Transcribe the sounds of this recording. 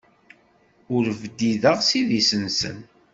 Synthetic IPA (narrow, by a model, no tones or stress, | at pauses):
ʊɾvd̪iðəʁsiðisənsə̰n